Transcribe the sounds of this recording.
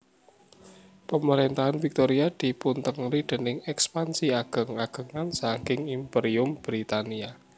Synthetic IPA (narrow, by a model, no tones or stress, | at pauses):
pəməɾent̪aɦanfik̚t̪oɾiad̪̥i̤punt̪əŋlid̪̥ə̤nɪŋɛkspansiaɡ̥ə̤ŋaɡ̥ə̤ŋansaŋkɪŋimpeɾiʊmb̥ɾit̪ania